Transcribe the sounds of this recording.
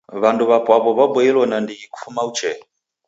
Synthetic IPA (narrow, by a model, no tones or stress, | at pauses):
βanduβapwaβɔβabwɛilɔnandiɡiku̥fumaut͡ʃɛ